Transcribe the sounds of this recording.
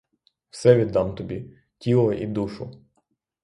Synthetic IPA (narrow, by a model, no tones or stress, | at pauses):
wsɛʋʲid̪ːɑmt̪ɔbʲi | tʲilˠɔʔid̪uʃʊ